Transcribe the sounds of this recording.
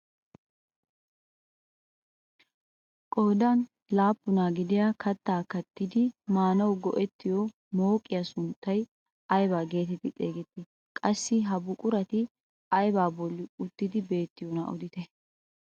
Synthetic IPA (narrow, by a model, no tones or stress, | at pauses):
kʼoːd̪ɐn | laːpːʊnaːɡɪd̪ɪjakɐt̪ːaːkɐt̪ːɪd̪ɪmaːnɐwɡɔʔɛt̪ːɪjɔ | mo̞ːkʼːɪjɐsʊnt̪ːɐj | ɐjbaːɡe̞ːt̪ɛt̪ɪt͡sʼeːɡɛt̪ːɪ | kʼɐsːɪɦɐbʊkʼʊɾɐt̪ɪ | ɐjbaːbɔlːɪʊt̪ːɪd̪ɪbe̞ːt̪ːɪjonɐ̰ʔɔd̪ɪt̪ɛ